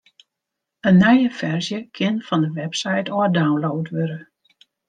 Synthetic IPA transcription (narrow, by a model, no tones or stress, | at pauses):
ənːɛjəfɛrzjəkʰɪnfɔndəʋɛpsɛjtoədawnloːtʋøɾə